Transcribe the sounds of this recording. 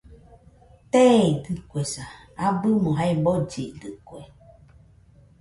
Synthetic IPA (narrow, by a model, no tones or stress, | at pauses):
t̪ɛdɨkwɛsa | abɨmɔ̃ɦaibɔd͡ʒḛdɨkwɛ